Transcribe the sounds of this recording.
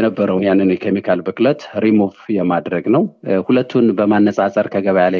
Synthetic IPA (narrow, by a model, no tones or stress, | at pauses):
jɛnəbːəɾəwnjanːɨnwjɛkʰemikʰalbɨkʼlət̪ɾimofjɛmad̪ɾəɡnəwhulət̪ʰːunbəmanːəsʼasʼəɾkʰəɡəβajala